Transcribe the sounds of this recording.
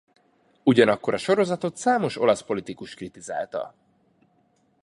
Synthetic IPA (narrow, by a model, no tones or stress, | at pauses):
uɟɒnɒkːo̞ɾɒʃo̞ɾo̞zɒt̪o̞t̪saːmo̞ʃo̞lɒspo̞lit̪ikuʃkrit̪iza̰ːlt̪ɒ̰